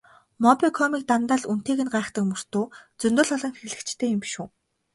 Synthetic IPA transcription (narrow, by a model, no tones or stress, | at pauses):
mɔpʲikʰɔmiːk̚t̪ant̪aːɮun̥t̪eːɣɘ̆nɢaːχt̪ə̆kmɵr̥t̪ʊːt͡sɵnt̪ʊ̆ɮɔɮɞ̆ŋxeɮɘ̆kt͡ɕt̪ʰeːjʊmpiʃuː